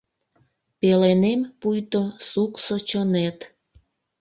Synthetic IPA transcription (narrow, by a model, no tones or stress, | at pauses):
pelenempujt̪osuksot͡ɕənet̪